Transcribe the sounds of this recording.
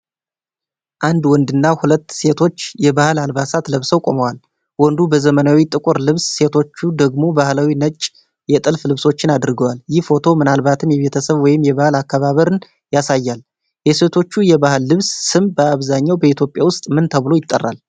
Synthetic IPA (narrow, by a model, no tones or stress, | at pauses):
ʔand̪wɔnd̪ɨnːahulət̪ːse̞t̪ʰo̞t͡ʃːjɛbahɨlalbasat̪ləβsəwkʼo̞̰məwal | wɔnd̪ubəzəmənawit̪ʼɨkʼʊɾlɨβsːe̞t̪ʰo̞t͡ʃːud̪əɡmo̞bahlawinət͡ʃʼ | jɛt̪ʼɨlflɨβso̞t͡ʃːɪnad̪ɾɡəwaljɪhfo̞t̪ʰo̞mɨnalbat̪ʰɨmjɛβe̞t̪ʰəsəβwɔjɪmjɛβahɨlakːaβaβəɾɨn | jasajːal | jɛse̞t̪ʰo̞t͡ʃːujɛβahɨlːɨβssɨmbəaβzaɲːawbəit̪ʰjopʼjawʊst̪ʼmɨnt̪ʰəβɨlo̞jɪt̪ʼːə̰rːa̰l